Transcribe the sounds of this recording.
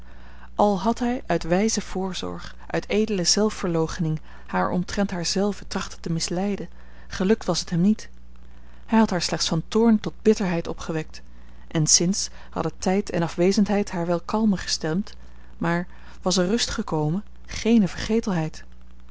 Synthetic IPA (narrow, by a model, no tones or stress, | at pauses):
ʔɑlˠɦɑtɦɛjʔœɥtʋɛjzəv̥ʊːɹzɔ̰ɹχ | ʔœ̰ɥtejdələz̥ɛlˠfːəɹlowχənɪŋ | haːɹɔ̰mtrɛntɦaːɹzɛlˠvətrɑχtətəmɪslɛjdə | χəlɵk̚tʋɑsɦətɦɛmnit | hɛjɦɑtɦaːɹslɛχtsfɑntʊːɹntɔd̚b̥ɪtəɹɦɛjtɔpχəʋɛk̚t | ʔɛnsɪns | hɑ̰dətɛjtʰɛ̰nɑfʋejzəntɦɛjtɦaːɹʋɛlˠkɑlˠməχə̥stɛmt | maːɹ | ʋɑsərɵstχəkowmən | χejnəvəɹχejtəlˠɦɛjt